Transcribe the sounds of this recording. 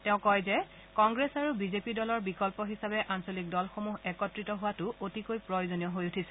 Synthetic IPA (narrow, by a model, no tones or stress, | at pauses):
tɛʊ̃kɔjzɛ | kɔŋɡɹesaɹubizepidɔlɔɹbikɔlpɔɦisabɛʔansolik̚dɔlxomuɦɛkɔtɹitɔɦʊwatʊʔotikojpɹojozonijɔɦojutʰisɛ